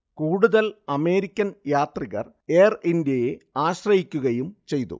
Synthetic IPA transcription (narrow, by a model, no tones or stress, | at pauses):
kuːɽuðɐlɐme̞ːɾikʲːɐnjaːt̪riɣɐ̰r | eːrindjɐjeaːɕrɐhikʲːuɣɐjumt͡ɕe̞jt̪ṵ